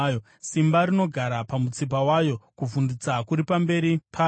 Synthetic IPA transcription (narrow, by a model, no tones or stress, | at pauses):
jo | simbaɾino̞ɡʱaɾapamut͡sip̬awajo̞kuvundit͡sakuɾipambe̞ːɾipʰa